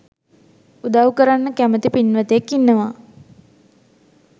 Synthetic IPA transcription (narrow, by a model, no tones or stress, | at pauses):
ud̪awukəɾanːəkæmət̪ipinːʋət̪ekːinːəʋa